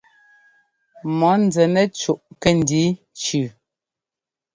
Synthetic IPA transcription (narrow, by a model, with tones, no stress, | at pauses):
mɔ˨˦n˨d͡zɛ˨nɛ˦t͡ʃu˦˨ʔkɛ˦˨n˨di˨˦ | t͡ʃʉ˨